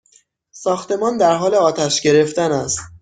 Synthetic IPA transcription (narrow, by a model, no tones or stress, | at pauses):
sɒːxt̪e̞mɒːnd̪æɾɦɒːleɒːt̪ʰæʃɟe̞ɾe̞ft̪ænæst̪